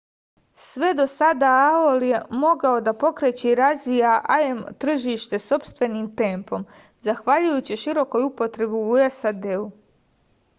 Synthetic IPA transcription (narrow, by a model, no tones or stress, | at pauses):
sʋe̞d̪o̞sad̪aaolje̞mo̞ɡao̞d̪apo̞kɾet͡ɕeiɾazʋijaʔaemt̪r̩ʒiːʃt̪e̞so̞pst̪ʋe̞niːmt̪e̞mpo̞m | zaxʋaʎujut͡ɕiʃiɾo̞ko̞jupo̞t̪ɾe̞biuesad̪e̞u